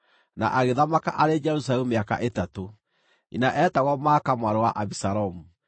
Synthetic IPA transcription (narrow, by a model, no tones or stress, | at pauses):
na̰ʔaɣeðamaka̰ʔaɾed͡ʒɛɾus̬aɾɛumeaka̰ʔetato | ḭnaʔɛːtaɣɔmaːkamwaɾowaʔaβisaɾɔmu